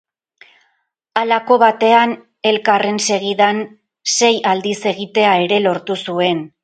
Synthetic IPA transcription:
alako̞βat̪e̞an | e̞lkare̞nse̞ɣiðan | se̞jald̪ise̞ɣit̪e̞ae̞ɾe̞lo̞ɾt̪usue̞n

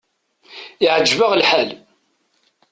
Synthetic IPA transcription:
ɪʕəd͡ʒːvəʁlħal

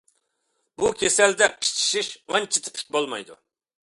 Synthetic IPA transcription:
bukʲʰesɛld̪ɛpʰi̥t͡ʃʰi̥ʃiʃʁɑnt͡ʃʰi̥t̪ʰɪ̥pʰy̥kʲbolˠmɑ̰jd̪ṵ

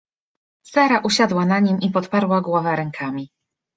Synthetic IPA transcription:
saɾaʔuɕad̪wanaɲimipɔt̪paɾwaɡwɔvɛɾɛŋkʰamʲi

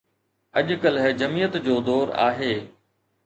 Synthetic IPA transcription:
ɐʄkəlɦd͡ʑɐmijət̪d͡ʑoːd̪ɔːɾa̰ːɦeː

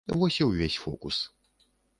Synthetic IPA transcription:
vɔsʲɛwvʲesʲfɔ̰kus

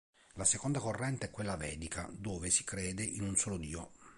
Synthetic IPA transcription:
lasekond̪akorːɛnt̪eɛkːwelːavɛ̰ːd̪ikʰa̰d̪oːvesi̥kɾɛːd̪ɪʔinunsoːlod̪iːo

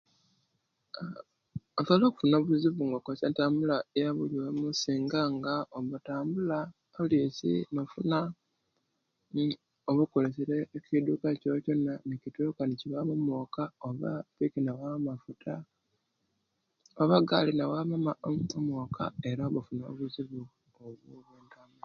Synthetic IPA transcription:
osolo̞ːku̥funoβuziβuŋɡokosentaːmbulajaβuliomusiːŋɡaŋɡaoβutaːmbula | lisḭnofuna | oβukole̞seɾeːkidukacoco̞nːanicitukaniciβamomokaoβa̰pikinawamafutʰa | oβaɡalinawaβamaomokʰa̰e̞ɾaoβafuno̞̰ːβuziβu | oβuβeːntamu

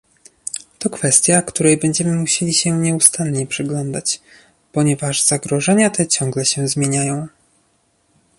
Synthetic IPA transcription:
t̪ɔkfɛst̪ʲjakt̪uɾɛjbɛɲd͡ʑɛmɘmuɕelʲiɕɛɲɛust̪anɲɛpʂɘɡlɔnd̪at͡ɕ | pɔɲɛvaʐz̥aɡɾɔʐɛɲat̪ɛt͡ɕɔ̃ŋɡlɛɕɛzmʲjeɲajɔ̃w̃

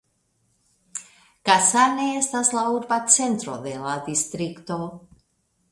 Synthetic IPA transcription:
kasaneestaslauɾbat͡se̞nt̪ɾo̞̰d̪e̞lad̪istɾikto̞

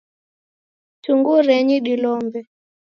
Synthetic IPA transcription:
tuŋɡuɾɛɲiɗilɔmbɛ

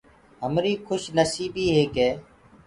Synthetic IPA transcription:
ɦəmɾiːkʰʊʃnəsiːbiːɦeːkɦeː

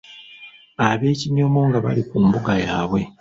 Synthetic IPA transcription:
aβe̞ːciɲo̞mo̞ŋɡaβa̰likumbuɡajaːβwe̞

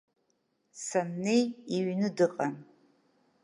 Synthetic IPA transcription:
sanːejiɥnɨdɨqʼan

